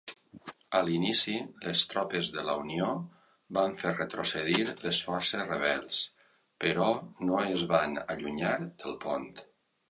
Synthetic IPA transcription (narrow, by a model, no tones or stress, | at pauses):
əlinisiləst̪ɾɔpəzðələunio | baɱfeɾrət̪ɾosəðiɾləsfɔɾsəzrəβ̞ɛlˠs | pəɾɔnoezβanə̰ʎuɲaɾd̪̥əlˠpont̪